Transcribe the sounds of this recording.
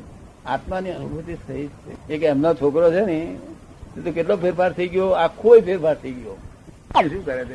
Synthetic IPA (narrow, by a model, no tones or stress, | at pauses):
a̰t̪maniənubʱut̪isəɦid͡ʒt͡ʃʰḛekɛmnot͡ʃʰokɾot͡ʃʰeni | t̪et̪okeʈlopʰeɾpaɾt̪ʰəiɡjoakʰːoipʰeɾpaɾt̪ʰəiɡjo | ũʃũkəɾet͡ʃʰe